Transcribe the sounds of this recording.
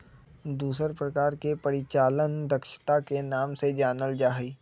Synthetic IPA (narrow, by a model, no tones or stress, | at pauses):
d̪uːsəɾpɾəkaːɾkepɐɾɪt͡ʃaːlənd̪əkʃə̥t̪akenaːmsed͡ʒaːnəld͡ʒaːɦiː